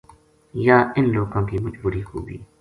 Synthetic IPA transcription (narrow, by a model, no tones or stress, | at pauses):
jaːɪnloːɡõːkiːmʊd͡ʒbuːɾiːko̰ːbḭː